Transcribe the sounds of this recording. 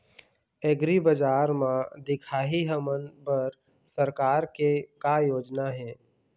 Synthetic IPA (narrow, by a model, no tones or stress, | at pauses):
eɡɾibəd͡ʒaːɾmãd̪ɪkʰaːɦiɦəmənbəɾ | səɾkaːɾkekajoːd͡ʒnaɦɛ̃ː